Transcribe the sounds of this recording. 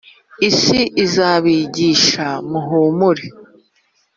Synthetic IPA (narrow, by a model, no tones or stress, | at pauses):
isiʔizaːβiːɟiːʃamuɦuːmuɾe